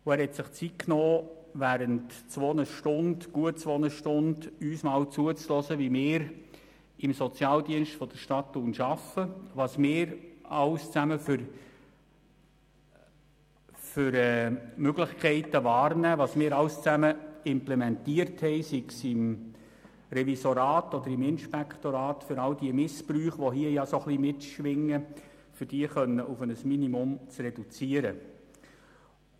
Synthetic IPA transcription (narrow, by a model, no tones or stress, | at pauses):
ʊæːɾhɛtsɪχt͡sit̚kʰnoː | væːɾəntt͡sʋonəʃtʊndɡ̥uət͡sʋonəʃtʊndyːsmɑːlt͡suət͡slɔsəʋimɪːɾ | ɪmsɔt͡sjɑːldiənʃtfɔd̥əɾʃtɑtːuːnʃɑfəʋɑsmɪːɾɑʊst͡sæməfɾ | fʏɾɛːmøɡlɪχkʰɛɪtəvɑːrnæːʋɑsmɪːɾɑwst͡sæməɪmplɛmɛntiːəɾthɛɪsiksɪm | ɾɛvisoɾɑːtɔd̪əɾimɪnʃpɛkt̪oɾɑːtfʏɾɑld̥iəmɪspɾyːχʋoɦiəjɑsoχlimɪtʃʋɪŋːə | fʏd̥iəχœnːəʔufənəsminimʊmt͡srɛdut͡siəɾə